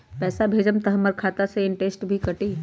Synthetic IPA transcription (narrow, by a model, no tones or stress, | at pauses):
pɛːsabʱeːd͡ʒəmt̪ɐɦəmːəɾkʰaːt̪aseɪ̃ɳʈeːsʈbʱikɐʈiː